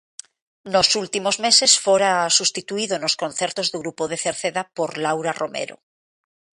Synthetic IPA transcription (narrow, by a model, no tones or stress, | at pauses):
nosult̪imozmesesfoɾasust̪it̪uiðonoskonθeɾt̪ozðuɣɾupoð̞eθeɾθeðapoɾlawɾarʔomḛɾo̰